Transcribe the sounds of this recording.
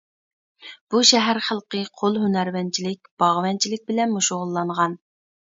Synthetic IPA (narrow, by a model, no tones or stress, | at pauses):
b̥uʃɛɦæɾχəlˠqəqʰolˠɦynæɾwɛnt͡ʃʰilɪk̚ʲb̥ɑʁwɛnt͡ʃʰilɪk̚ʲbɪlɛnmuʃoʁʊlˠːɑɴʁɑn